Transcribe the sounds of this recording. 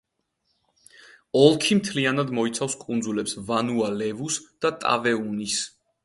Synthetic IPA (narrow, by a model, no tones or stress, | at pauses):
ɔlˠkʰimt̪ʰlianad̪mɔit̪sʰafskʼund̪zulɛpsvanualɛvusd̪̥at̪ʼa̰vɛunis